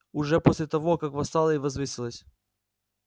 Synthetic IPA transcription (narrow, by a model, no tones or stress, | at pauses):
ʊʐɛposʲlʲɪt̪ɐvokakvɐst̪alˠəivɐzvɨsʲɪlˠəsʲ